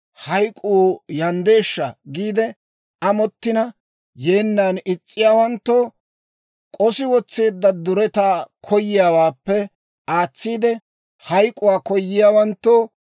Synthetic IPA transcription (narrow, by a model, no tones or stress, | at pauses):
hɐjkʼːuːjɐnd̪e̞ːʃːɐɡiːd̪ɛ | ɐmɔt̪ːɪnɐ | je̞ːnːaːnɪt͡sʼːɪjaːwɐnt̪ːoː | kʼɔsɪwɔt͡sːeːd̪ːɐd̪ʊɾɛt̪aːkʰɔjːɪjaːwaːpːɛ | aːt͡sːiːd̪ɛ | hɐjkʼʊwaːkɔjːɪjaːwɐnt̪ːoː